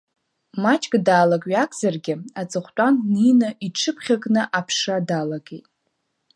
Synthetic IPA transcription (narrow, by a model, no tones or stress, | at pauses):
mat͡ʃʼkʼdaːlakʼɥakʼzarɡʲɪat͡sʼɨχʷtʼanninɨiʈ͡ʂʰɨpʰχʲakʼnɨʔapʰʂadalaɡḛjtʼ